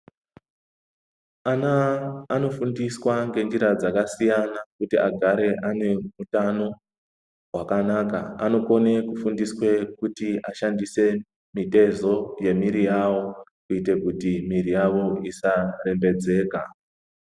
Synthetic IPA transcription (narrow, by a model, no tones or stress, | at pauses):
anaːno̞fundiswaŋɡe̞nd͡ʒiɾad͡zakasijanakutiaɡʱaɾe̞ʔane̞mutano̞ | ɦwakanaka̰a̰no̞ko̞ne̞kufundiswe̞kutiaʃandise̞ | mite̞zo̞je̞miɾijawo̞kuite̞kutimirijaʋo̞isare̞mbe̞d͡ze̞ːka